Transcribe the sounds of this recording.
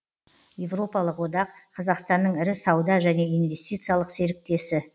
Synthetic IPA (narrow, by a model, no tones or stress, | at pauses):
je̞vro̞pɑlˠəqwo̞d̪ɑqqʰɑzɑqst̪ɑnːəɴɪɾɪsɑwd̪ɑʒæne̞ijnve̞st̪ijt̪sɨjalˠəqse̞ɾɪk̚t̪e̞sɪ